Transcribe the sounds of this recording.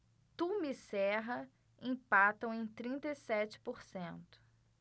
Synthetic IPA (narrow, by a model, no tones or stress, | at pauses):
t̪umisɛɦɐ | ĩpat̪ɐ̃w̃ẽj̃t̪ɾĩnt̪ɐisɛt͡ʃɪ̥poɾsẽnt̪ʊ̥